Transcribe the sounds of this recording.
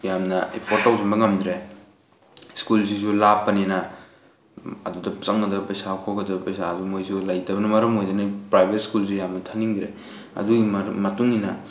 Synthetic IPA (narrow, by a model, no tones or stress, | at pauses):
jamnɐḛpʰoɾtːawsimbɐŋɐmd̪ɾe | skuls̬isulapːɐnenɐ | ɐ̰dudɐsɐŋɐdɐpɐjsakʰokɡɐdɐpɐjsadumojsulajtɐbɐnɐmɐɾɐmojdɐnɐpɾajbʱet̚skuls̬ujamnɐtʰaniŋdɾḛ | ɐ̰duɡimmɐtuŋninɐ